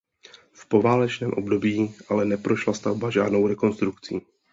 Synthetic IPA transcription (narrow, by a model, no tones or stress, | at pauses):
fpo̞vaːlɛt͡ʃnɛːmʔo̞bdo̞bjiːʔalɛnɛpɾo̞ʃlast̪avbaʒaːdno̞wɾɛko̞nst̪ɾukt͡siː